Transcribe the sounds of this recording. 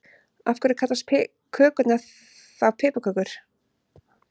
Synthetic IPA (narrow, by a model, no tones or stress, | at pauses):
a̰fkʏɾɪkʰat̪last̪pʰɛ | kʰœːkʏt̪naθ | avpʰɛːpakʰœːkʏɾ̥